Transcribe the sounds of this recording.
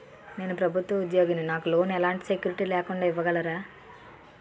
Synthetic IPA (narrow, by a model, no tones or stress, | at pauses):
ne̞ːnupɾɐbʱut̪ʋɐud̪jo̞ːɡininaːkulo̞ːnɛlaːɳʈisekjuːɾiʈiːlɛːkuɳɖaːiʋːɐɡɐlɐɾaː